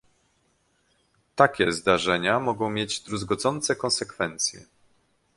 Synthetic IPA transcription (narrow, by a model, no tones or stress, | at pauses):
t̪akʲɛzd̪aʐɛɲamɔɡɔ̃w̃mʲjed͡ʑd̪ɾuzɡɔd̪zɔnt̪sɛkɔ̃nsɛkfɛnt̪sʲjɛ̰